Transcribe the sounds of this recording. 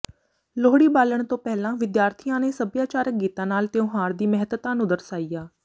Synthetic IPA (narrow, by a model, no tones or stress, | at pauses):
loːɽiːbaːləɳ̃t̪õːpɛɦlãːʋɪd̪jaːɾt̪ʰijãːneːsəbjaːt͡ʃaːɾək̚ɡiːt̪ãːnaːlt̪ɪõːɦaːɾd̪iːmɛɦət̪t̪aːnũːd̪əɾsaːiːjaː